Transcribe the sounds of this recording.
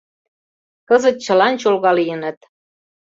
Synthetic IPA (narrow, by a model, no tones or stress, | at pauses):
kɤzə̆t̪̚t͡ɕə̆lɑnt͡ɕolɣɑlijə̆nə̆t̪